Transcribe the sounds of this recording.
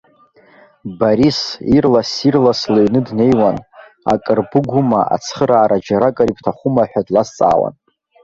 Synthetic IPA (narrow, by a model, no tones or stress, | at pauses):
baɾisirlasirlasloɥnɨdne̞jwan | a̰kʼɨrbɨɡʷumaʔa̰t͡sʰχəɾaːɾʔad͡ʒaɾakʼaɾipʰtʰaχʷʊmaħʷᶣadlast͡sʼa̰ːwa̰n